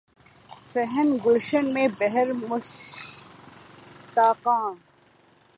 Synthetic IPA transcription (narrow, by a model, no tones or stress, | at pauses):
sɛɦənɡʊlʃənmẽːbɛɦəɾmʊʃ | t̪aːqãː